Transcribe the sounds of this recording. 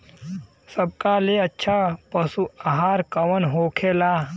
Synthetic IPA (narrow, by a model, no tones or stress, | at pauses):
səb̚kaleɐtːʃʰapəsuaɦaːɾkɐʋənɦoːkʰeːlaː